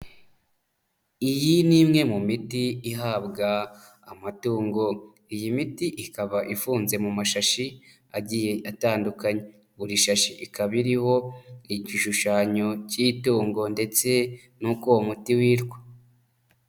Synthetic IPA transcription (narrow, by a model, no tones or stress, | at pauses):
ijiniːmŋe̞mumitiiɦaːbɡaː | matuːŋɡo̞ | ijimitiʔikaβaʔifuːnze̞mumaʃaʃi | aɟije̞ʔataːndukaɲe | βuɾiʃaʃiʔikaβiɾiho̞iɟiʃuʃaːɲo̞cituːŋɡo̞nde̞t͡se̞ | nukoomutiwiːɾɡwo